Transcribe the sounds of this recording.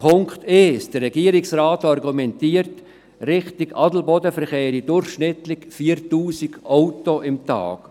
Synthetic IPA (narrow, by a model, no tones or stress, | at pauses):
pʰʊŋkt̪esd̥əɾːɛɡiːəɾɪksɾaːtɑɾɡumɛntiːəɾt | ɾɪχtɪɡɑdl̩bɔdəfəɾχeːɾidʊrχʃnɪtlɪkfiːəɾtuːsɪɡʔɔʊtoʔɪmt̪ɑ̰ːk